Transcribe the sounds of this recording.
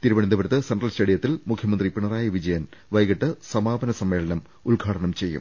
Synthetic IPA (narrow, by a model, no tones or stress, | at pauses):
t̪iɾuʋɐɳind̪ɐbɐɾɐt̪ːɨsɐnʈrɐlsʈɐɽijɐt̪ːilmukʰjɐmɐnd̪ripiɳɐraːjɐʋid͡ʑɐjɐnʋɐjɡɐʈːɨsɐmaːbɐnɐsɐmːeːɭɐnɐm | ulɡʱaːʈɐɳɐmt͡ɕe̞jːṵm